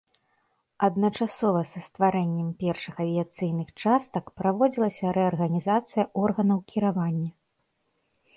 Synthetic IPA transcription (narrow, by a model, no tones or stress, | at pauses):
ɐd̪nɐt͡ʂasɔvɐsɐst̪vaɾɛnʲːɛmpʲɛrʂɨxɐvʲijat̪sɨjn̪ɨxt͡ʂast̪ɐkpɾavɔd͡zʲilˠɐsʲɐɾɛɐrɣɐnʲizat̪sɨjɐʔɔrɣɐnɐwkʲiɾavanʲːɐ